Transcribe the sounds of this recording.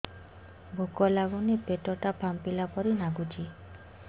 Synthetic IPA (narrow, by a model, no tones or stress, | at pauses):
bʱokɔlaɡunepeʈɔʈapʰampilapɔɾinaɡud͡ʒʰi